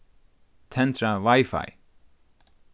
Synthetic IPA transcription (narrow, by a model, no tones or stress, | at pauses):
t̪ʰɛnt̪ɾavajfa̰j